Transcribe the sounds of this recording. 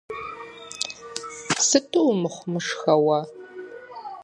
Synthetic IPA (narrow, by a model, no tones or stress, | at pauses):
sɨtʰʼuwmɨχʷmɨʂxɐwa